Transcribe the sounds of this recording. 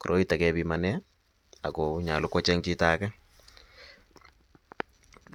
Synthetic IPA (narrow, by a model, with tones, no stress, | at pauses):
ku˨ɾʔo˦i˦ta˨kɛ˦bi˨ma˨nɛ˦ | a̰˨ko˨ɲa˨lʊ˦kɔ˦t͡ʃɛ˦ŋt͡ʃi˦taː˦kɛ˦